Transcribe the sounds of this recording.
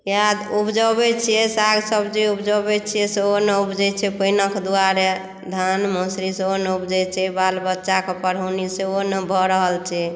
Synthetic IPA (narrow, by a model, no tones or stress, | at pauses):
jad̪upd͡ʒəbɛt͡ʃʰijɛsaɡsəbd͡ʒeupd͡ʒəbɛt͡ʃʰijɛseonəupd͡ʒɛt͡ʃʰɛpəinəkd̪uaɾe | d̪ʱanməsɾiseonupd͡ʒɛt͡ʃʰɛbalbətːʃakepəɾɦoniseonəbʱɔɾəɦəlt͡ʃʰɛ